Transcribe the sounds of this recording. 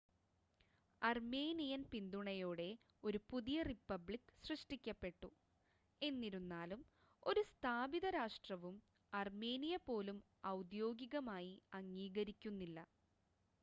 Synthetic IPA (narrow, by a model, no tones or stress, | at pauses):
ɐrme̞ːnijɐnpind̪uɳɐjoːɽe̞ | o̞ɾupuðijɐripːɐbɭikːɨ̥srɨʂʈikʲːɐpːe̞ʈːu | e̞nːiɾunːaːlum | o̞ɾust̪ʰaːbiðɐɾaːʂʈrɐʋum | ɐrme̞ːnijɐpo̞ːlum | ɐwd̪jo̞ːɡiɣɐmaːjiɐŋːiːɣɐɾikʲːunːilːɐ